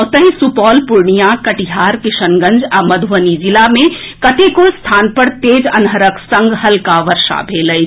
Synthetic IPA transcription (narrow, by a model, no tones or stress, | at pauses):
t̪əɦĩsupɔːlpʊɾɳijakɐʈiɦaːɾkɪʃənɡə̃ɲd͡ʒɐmɐd̪ʱʋənid͡ʒɪlamẽkɐʈekost̪ʰaːnpəɾt̪eːd͡ʒɐnɦəɾəksɐ̃ŋɡɦɐlkaʋəɾʃa̰bʱeːləj